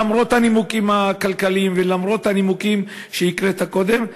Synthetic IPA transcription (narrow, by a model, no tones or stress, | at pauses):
amʁo̞t̪hanimukimhakalkalimvelamʁo̞t̪hanimukim | ʃeikʁet̪hako̞d̪e̞m